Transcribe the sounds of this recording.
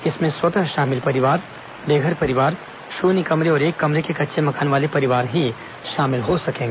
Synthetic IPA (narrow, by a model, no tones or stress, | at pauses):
ɪsmẽswɐt̪ə̃ʃaːmɪlpɐɾɪʋaːɾ | beːɡʱəɾpɐɾɪʋaːɾ | ʃuːnikɐmɾeɔːɾeːkːɐmɾekekɐtːʃʰemɐkaːnʋaːlepɐɾɪʋaːɾɦi | ʃaːmɪlɦosɐkẽːŋɡeː